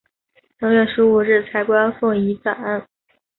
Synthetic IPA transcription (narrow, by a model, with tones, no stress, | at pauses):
lɑ˧˥ŋɥɛ˥˩ʂɻ̩˧˥u˨˩ɻɻ̩˥˩t͡sʰa˧˥ɪkwa˥fwɔ˥˩i˧˥t͡sa˨˩na˥˩n